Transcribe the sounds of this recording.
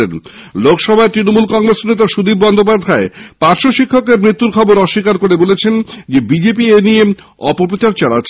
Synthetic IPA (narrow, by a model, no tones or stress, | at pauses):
ḛnlokʃɔbʱaet̪ɾinomulkɔŋɾesnet̪aʃud̪ib̚bɔnd̪opad̪ʱaepaɾʃoʃikʰːokeɾmɾit̪ːuɾkʰɔboɾɔʃːikaɾkoɾebolet͡ɕʰend͡ʑebid͡ʑep̬ienie | ɔpoɾpɾot͡ɕaɾt͡ɕalatːʰ